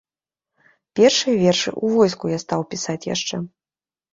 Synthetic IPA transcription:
pʲɛrʂɨjɐvʲɛrʂɨ̰ʔuvɔjskujast̪awpʲisat͡sʲja̰ʂt͡ʂɛ

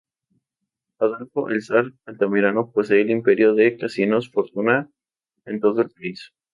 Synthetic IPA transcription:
aðalfoʔelsaɾalt̪amiɾanoposeːlimpeɾjoðekasinosfoɾt̪una | ent̪o̞ðoelpais

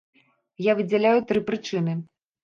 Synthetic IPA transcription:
javɨd͡zʲɛlʲajut̪ɾɨpɾɨt͡ʂɨnɨ

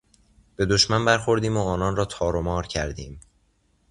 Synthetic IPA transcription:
b̥e̞d̪oʃmænbæɾxo̞ɾd̪iːmoɒːnɒːnɾɒːt̪ʰɒːɾomɒːɾcʰæɾd̪iːm

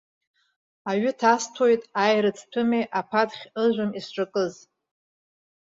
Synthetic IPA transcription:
aɥʏtʰastʰojtʼajɾɨt͡sʰtʷʰɨmejʔapʰadχʲɨʒʷʊmisʈ͡ʂʼakʼɨz

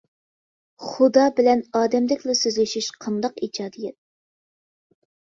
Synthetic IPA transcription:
χud̪ɑbɪlɛnɑːd̪ɛmd̪ɪkʲlɛsøzlɪʃiʃqʰɑnd̪ɑqid͡ʒɑːd̪ijɛt̪̚

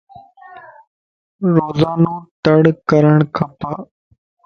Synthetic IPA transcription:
ɾoːzaːnoːt̪əɽkəɾəɳkʰəpaː

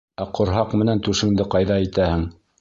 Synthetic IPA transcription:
æqŏɾɦɑqmɘ̆nænt̪ʉʃɘ̆ŋd̪ɘqɑjðɑit̪æhɘŋ

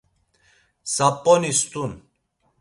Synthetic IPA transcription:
sapʼːɔnist̪ʼun

